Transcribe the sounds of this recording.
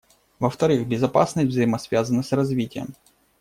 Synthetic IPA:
vəft̪ɐɾɨxbʲɪzɐpasnəsʲtʲvzəjɪmɐsvʲazənəsrɐzvʲitʲɪjə̰m

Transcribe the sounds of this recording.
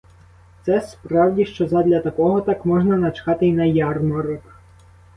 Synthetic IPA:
t̪sɛspɾɑwdʲiʃt͡ʃɔzɐd̪lʲɐt̪ɐkɔɦɔt̪ɑkmɔʒnɐnɐt͡ʃkɑt̪ɪjnɐjɑrmɐɾɔk

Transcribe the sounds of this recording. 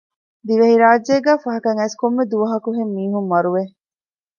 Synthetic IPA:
d̪iʋeɦiɾaːd͡ʒːeːɡæːfɐɦɐkɐŋæːskomːed̪uʋɐɦɐkuɦemːiːɦumʋɐɾuʋe

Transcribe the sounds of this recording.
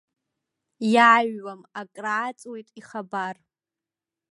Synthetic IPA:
jaɥːamakʼraːt͡sʼwejtʼiχabar

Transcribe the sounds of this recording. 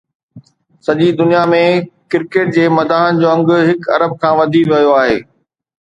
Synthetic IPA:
sɐʄid̪ʊnijamẽkɪɾkeːʈ̚d͡ʑeːmɐd̪aːɦənɪ̆d͡ʑoːɐ̃ŋɡʊ̆ɦɪkɐ̰ɾəb̚kʰãːʋɐd̪ʱiʋɐjoaːɦḛː

